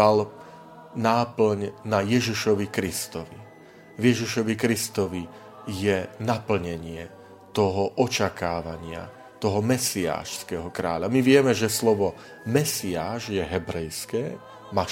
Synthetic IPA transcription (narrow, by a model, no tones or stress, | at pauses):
al | naːpl̩ɲnajɛʒiʃɔʋikɾist̪ɔʋi | vjɛʒiʃɔʋikɾist̪ɔʋi | jɛnapl̩ɲɛɲɪɛ | t̪ɔɦɔʔɔt͡ʃakaːʋaɲɪa̰ | t̪ɔɦɔmɛsia̰ːʃskɛɦɔkɾa̰ːʎamiʋɪɛmɛʒɛslɔʋɔ | mɛsiaːʒjɛɦɛbɾɛjskɛː | ma